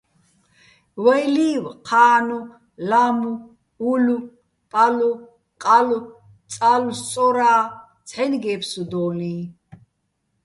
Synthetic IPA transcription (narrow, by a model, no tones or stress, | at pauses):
wɛjliːwqʰaːnu | lamuː | lu | pʼalu | qʼalu | t͡sʼalust͡sʼɔɾaː | t͡sʰħɛnɡɛːpʰsud̪ɔːniː